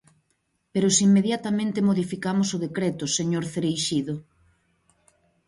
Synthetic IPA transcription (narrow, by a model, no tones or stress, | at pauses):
peɾʊsimːeðjat̪amẽnt̪ɪmoðifikamʊsʊðekɾet̪ʊseɲoɾθeɾejʃiðʊ